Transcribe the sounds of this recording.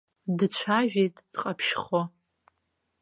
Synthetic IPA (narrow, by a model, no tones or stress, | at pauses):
dɨt͡ɕʷʰaʒᶣejtʼd̥qʼapʰʃχo